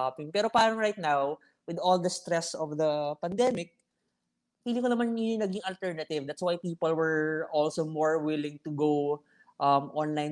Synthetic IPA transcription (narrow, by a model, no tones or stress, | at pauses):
apɪŋpɛːɾo̞paːɾɐŋɹajt̪̚naw | wɪd̪old̪ɐst̪ɾɛsɔvd̪ɐpɐnd̪ɛmɪk̚ | wiːlɪkonɐmanʊʊŋnɐɡɪŋɐlt̪ɛɹnɐt̪ɪvd̪at̪swajpiːpɐlwɛɹʔɔlsomɔɹwɪlɪ̃ŋt̪ʊɡow | ʔɐmʔɔ̃nlajn